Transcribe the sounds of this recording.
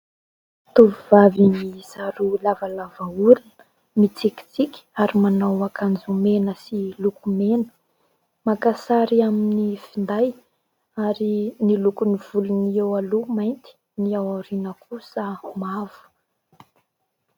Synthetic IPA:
t̪uvivavinizaɾulavalavauɾinə̥ | mit͡siki̥t͡sikʲaɾimanawakʰand͡zumenəsilukumenə̥ | makasaɾiaminnifind̪aj | aɾinilukuniv̥uluniewalumajnt̪i̥ | niawaɾinəkʰusəmavu̥

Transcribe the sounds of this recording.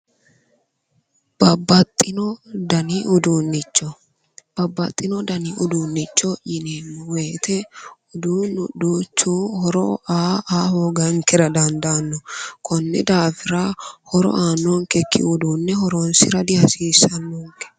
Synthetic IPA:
b̥ɐbːɐt̪ʼːɪnɔd̪ɐniʔʊd̪uːnːɪt͡ʃːɔ | b̥ɐbːɐt̪ʼːɪnɔd̪ɐnɪʔʊd̪uːnːɪt͡ʃːɔʔɪnenweːt̪ɛʊd̪uːnʊduːt͡ʃːuːhɔɾɔ̰ʔaːaːhoːɡɐŋkɛɾɐd̪ɐnd̪anːɔkʰɔnːɛ̰d̪aːfɪɾahɔɾɔ̰ʔaːnːɔŋkɛkʰːɪ̰ʊd̪uːnːɛhɔɾɔnsɪɾɐd̪ɪhɐsiːsːɐnːoːŋkɛ̥

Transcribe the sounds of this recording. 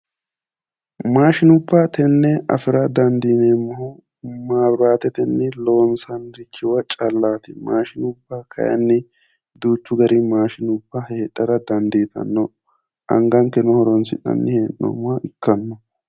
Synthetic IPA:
maːʃɪnʊbːat̪ɛnːɛɐ̰fɪɾɐd̪ɐnd̪iːneːmːɔhu | maːbɾaːt̪ɛt̪ɛnːɪloːnsɐnɾɪkʰːɪwɐt͡ʃʼɐlːaːt̪ɪmaːʃɪnʊbːaːkʰɐ̰jɐ̰nːɪ | d̪uːt͡ʃːʊɡɐɾɪmaːʃɪnʊbːɐheːᶑɐɾɐd̪ɐnd̪eːt̪ɐ̰nːɔ | ʔɐ̰ŋɡɐŋkːɛnɔhɔɾɔnsɪᶑɐ̰nːɪheːnːɔ̰maʔɪkːɐnːɔ

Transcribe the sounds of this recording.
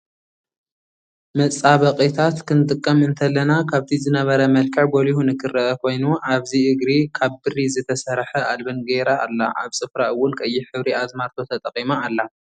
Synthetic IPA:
mɐt͡sʼaβɐqʼit̪ʰat̪kʰɨnɨt̪ʼɨkʼːɐmɨnt̪ʰɐlɐnakʰaβt̪ʰizɨnɐβɐɾɐmɐlkʰɐʕɡo̞lihunɨkʰɨrːɐʔːkʰo̞jnuʔaβziɨɡɾikʰaβbɨrizɨt̪ʰɐsɐɾħɐʔalbɐnɡeɾa̰ːlːa̰ʔa̰βsʼɨfɾaɨwːʊnkʼɐjːɪħɨβɾiazmaɾt̪ʰo̞t̪ʰɐt̪ʼɐqʼimaːlːa

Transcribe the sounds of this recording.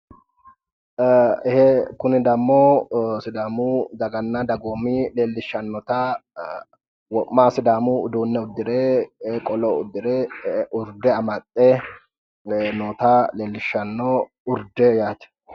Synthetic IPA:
hɛkʊnɪd̪ɐmːoːsɪd̪aːmuːd̪ɐɡɐnːad̪ɐɡoːmːiːle̞ːlːɪʃːɐnːɔt̪aː | wɔmaːsɪd̪aːmuːʊd̪uːnːɛʊd̪ːɪɾeːkʼɔloʊd̪ːɪɾeːʔʊɾd̪ɛɐmɐt̪ʼːɛ | noːt̪aːleːlːɪʃːɐnːoː | ʊɾd̪ɛjaːt͡ʃ̪ɛ̥

